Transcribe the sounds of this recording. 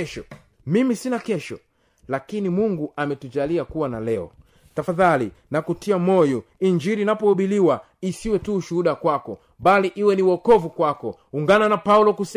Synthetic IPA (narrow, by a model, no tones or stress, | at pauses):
ʃɔ | mimisinakɛʃɔ̰ | lakinimuŋɡuʔamɛtud͡ʒaliakuwanalɛɔ̰ | tafaðalinakutiamɔjɔ | iɲd͡ʒiɾinapɔuɓiliwa | isiwɛtuːʃuhuɗakwakɔ | baliʔiwɛniwɔkɔvukwakɔ | uŋɡananapaulɔkus